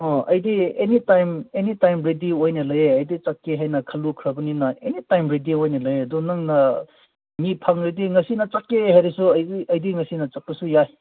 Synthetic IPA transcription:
ɔɐ̰jdienitajmenitajmɾediojnɐlɐjeɐjdit͡ʃakːeɦajnɐkʰɐlukʰɾaɡuninɐenitajmɾediojnɐlɐjeɐdunɐŋnɐ | mipʰaŋɾediŋɐsinɐt͡ʃakːeɦaɾisuɐjiɐjdiŋɐsinɐt͡ʃɐk̚pɐsujaj

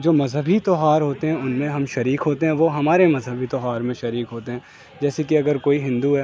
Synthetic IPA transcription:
d͡ʒoːmɐzɦəbʱit̪ɔɦaːɾɦoːt̪eɦɛ̃ʊnmẽɦɐmʃɐɾiːkɦoːt̪eɦɛ̃ʋoɦɐmaːɾemɐzɦəbʱit̪ɔɦaːɾmẽʃɐɾiːkɦoːt̪eɦɛ̃ | d͡ʒɛːsekiɐɡəɾkoːiɦɪ̃nd̪uɦɛː

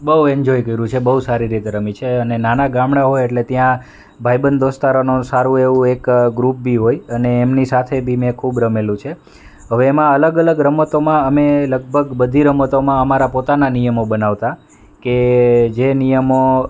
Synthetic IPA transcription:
bəɦuɛ̃ɲd͡ʒojkəiɾũt͡ʃʰebəɦusaɾiɾit̪eɾəmit͡ʃʰeənenanaɡãmɽaɦojeʈlet̪jã | bʱajbənd̪ost̪aɾanusaɾũeʋũekɡɾup̚bʱiɦojəneːmnisat̪ʰebʱimẽkʰubɾəmelũt͡ʃʰe | ɦəʋeːmãələɡələɡɾəmət̪omãəmeləɡ̚bʱəɡbəd̪ʱiɾəmət̪omãəmaɾapot̪ananijəmobənaʋt̪a | ked͡ʒenijəmo

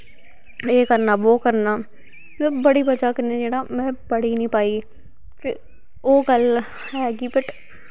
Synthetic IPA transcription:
eːkəɾnaːʋoːkəɾnaː | bəɽiːbəd͡ʒaːkəɾnẽːd͡ʒeːɽaːmɛ̃ːpəɽiːnĩːpaːiː | kɪ | oːɡəl | ɦɛːɡiːpɪʈ

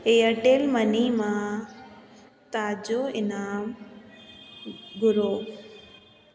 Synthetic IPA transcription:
eəʈeːlmənimãː | t̪aːd͡ʑoːɪnaːm | ɡʊɾoː

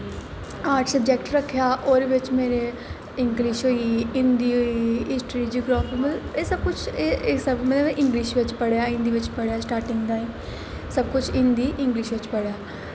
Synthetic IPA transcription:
aːʈsəb̚d͡ʒɛːkʈɾəkʰːejaːʔoːɾeʋɪt͡ʃmeːɾeː | ɪŋɡliːʃɦoːiːɪ̃nd̪iːoiɪsʈɾiːd͡ʒiːɡɾoːpːməeːsəb̚kʊt͡ʃʰesəbmedeeʔɪ̃ŋɡliːʃʋɪt͡ʃpəɽejaːɪ̃nd̪iːʋɪt͡ʃpəɽejaːsʈaːɾʈɪ̃ŋɡd̪aːiː | səb̚kʊt͡ʃʰɪ̃nd̪iːʔɪ̃ŋɡliːʃʋɪt͡ʃpəɽeaː

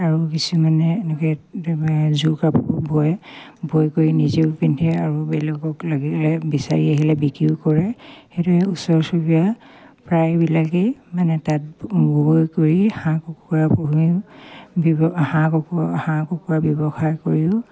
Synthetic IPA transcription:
aɹukisumanɛnɛkɛ | zukapɔbʱɔjbʱojkoɹinizeʊpintʰɛaɹubɛlɔkɔklaɡilɛbisaɹiaɦilɛbikiʊkɔɹɛxetɔɛusɔɹsubija | pɹajbilakɛmanɛtat̚bʱɔjkoɹihãkɔkɔapɔɦi | bhãkɔkhãkɔkuabjɔbɔxaɹkoɹiʊ

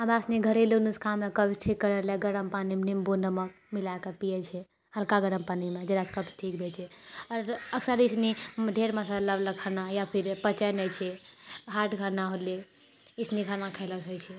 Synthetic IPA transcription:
abasniɡʱəɾelunuskʰamekəbʈʰikːəɾəleɡəɽəmpanimnimbonəmək̚ | milakepijɛt͡ʃʰɛ | həlkaɡəɾəmpanimed͡ʒeɾaskəbʈʰikbʱet͡ʃʰɛɔɾəksəɾisnidʱeɾməsaləbləkʰənajapʰiɾpət͡ʃənɛt͡ʃʰɛɦaʈɡʱənaɦole | isnikanakʰələt͡ʃɦojt͡ʃʰɛ

